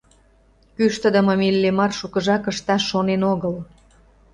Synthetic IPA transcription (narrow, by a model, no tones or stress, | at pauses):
kyʃt̪ə̆d̪ə̆mə̆milʲːemɑrʃukəʒɑkə̆ʃt̪ɑʃːonenoɣəl